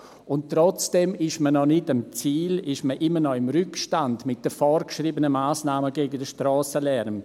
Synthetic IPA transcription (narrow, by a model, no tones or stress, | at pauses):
ʊntːɾɔt͡sd̥ɛmɪʃmənɔnɪdəmt͡siːlɪʃməʔɪmənɔɪmɾʏkʃtandmɪt̚d̥əfɔːɾkʃriːbənəmaːsnaːməɡeːɡəndəʃtrɔːsəlɛɾm